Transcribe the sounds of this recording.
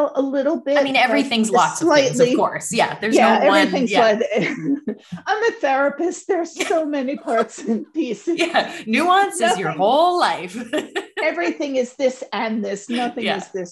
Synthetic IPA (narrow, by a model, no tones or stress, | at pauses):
lˠəlɪɾl̩ˠbɪɪtmĩnɛvɹiθɪ̃ŋzlɔk̚laɪtˡlikɔɹsjæ̰ðə˞zjæɛvɹiθɪ̃ŋzaɪð | ãɪ̃mðɨθɛɹɨpɨst̚ðə˞z̥soʊmɛnipʰɑɹtsɨ̃npʰisɨjænʉɑ̃nsʌjə˞hoʊlˠlaɪfɛvɹiθɪ̃ŋɨzðɪsɨ̃nðɪsnʌθɪ̃jŋæ̰ɨzðɪs